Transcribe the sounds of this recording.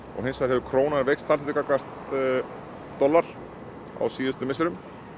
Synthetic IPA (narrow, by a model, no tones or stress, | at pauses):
ɔ̰ɣɦejnsfaɾ̥ɦɛvʏkʰɾoːwnaɣaɾvejkst̪θals̬ɪt̪ɪkakast̪ | d̪̥ɔlːaɾ̥ | a̰wsiːðɪst̪ʏmɪsɪɾʏm